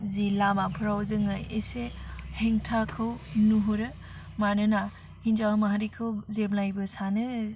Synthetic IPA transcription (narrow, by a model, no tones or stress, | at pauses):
zilamapʰɾawzɯŋajeseheŋtʰakʰɯwnuɦuɾɯ | manɯna | hind͡ʒaɯmaɦaɾikʰɯwzeblajbɯsanɯ